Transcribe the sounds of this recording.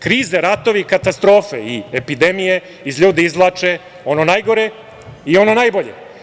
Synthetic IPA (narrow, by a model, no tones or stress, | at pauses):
kɾiːzeɾat̪o̞ʋikat̪ast̪ɾo̞ːfḛiepid̪e̞mije | izʎuːd̪eizlˠat͡ʃe | o̞nonajɡo̞ɾe | io̞no̞najboʎḛ